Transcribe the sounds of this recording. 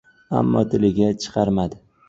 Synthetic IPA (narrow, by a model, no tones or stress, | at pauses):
a̰mːɒt̪ʰɪlɪɡʲat͡ʃʰɨ̥qʰɑɾmad̪ɪ